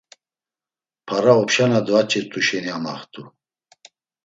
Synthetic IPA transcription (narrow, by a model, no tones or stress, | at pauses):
pʰaɾaɔpʃanad̪vat͡ʃʰʼɛt̪ʼuʃɛniama̰χt̪ʰʼu